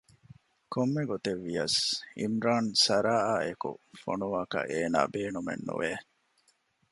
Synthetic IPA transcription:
komːeɡot̪eʋːijɐsḭmɾaːnsɐɾaːaːekṵfo̰nuʋaːkɐ̰ʔeːna̰ːbeːnumḛnːṵʋeː

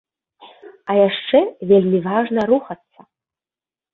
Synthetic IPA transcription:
ajaʂʈ͡ʂɛvʲelʲmʲivaʐnɐɾuχat͡sʰːa

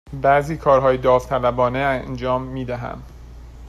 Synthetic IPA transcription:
bæziːkʰɒːɾɦɒːjed̪ɒːft̪ʰælæbɒːneænd͡ʒɒːmːiːd̪æɦæ̰n

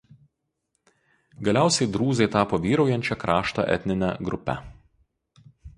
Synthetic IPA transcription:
ɡɐlʲæˑʊsʲɛɪd̪ɾuːzɐɪt̪ɑːpoːʋʲiːɾɒʊjɛnʲt͡ʃʲɛkɾɑːʃt̪ɑ̰ʔɛ̰t̪ʲnʲɪnʲɛ̰ɡɾʊpʲɛ̰

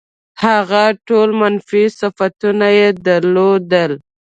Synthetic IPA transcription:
haɣaʈolmanfisafat̪unajed̪aɾlod̪əl

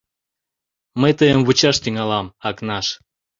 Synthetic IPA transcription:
mət̪əjəmβut͡ɕɑʃt̪yŋɑlɑmɑknɑʃ

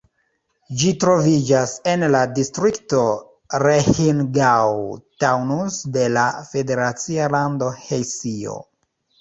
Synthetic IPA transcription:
d͡ʒitɾo̞vid͡ʒase̞nladistɾikto̞ | ɾehinɡawtawnusde̞lafe̞de̞ɾat͡sialando̞hejsio̞̰

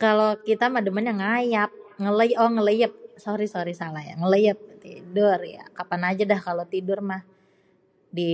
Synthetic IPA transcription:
kalokit̪amahdəmanɲaŋajap̚ŋələjʔɔŋələjəp̚soɾisoɾisalahja̰ŋələjəp̚t̪ḭdʊrja̰kapanad͡ʒadahkalot̪idʊrmah | di

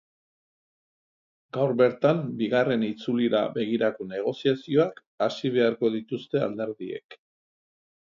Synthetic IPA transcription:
ɡawɾβe̞ɾt̪ambiɣare̞nit͡suliɾa̰βe̞ɣ̞iɾako̞ne̞ɣ̞o̞siasio̞ak | asiβe̞aɾko̞ðit̪ust̪e̞a̰ld̪e̞ɾðiḛk

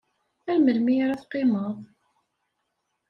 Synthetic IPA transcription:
ælməlmiɾæθqɪməðˤ

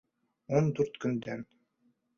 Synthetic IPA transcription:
ɔnd̪uɾt̪kynd̪ɛm

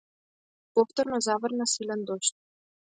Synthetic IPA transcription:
koft̪ŏrnŏzɑvɤ̆rnɤ̆silʲɘ̆nd̪oɕt̪

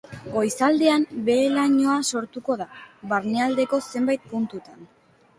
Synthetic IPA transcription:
ɡo̞jsald̪e̞ambe̞laɲo̞aso̞ɾt̪uko̞ðaβaɾneald̪e̞ko̞se̞mbajt̪̚punt̪ut̪an

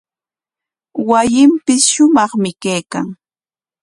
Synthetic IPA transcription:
wajɪmpɪsʃʊmɑχmɪkajka̰ŋ

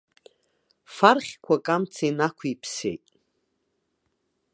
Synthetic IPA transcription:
farχʲkʷʰakʼamt͡sʰejnakʷʰipʰsḛjtʼ

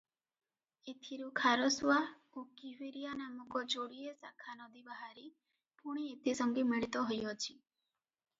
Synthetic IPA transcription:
et̪ʰiɾukʰaɾɔsua | okiwiɾijanamɔkɔd͡ʒoɽiesa̰kʰanɔd̪ibaɦaɾi | puɽ̃iet̪ʰisɔŋɡimiɭit̪ɔɦɔjɔt͡ʃʰi

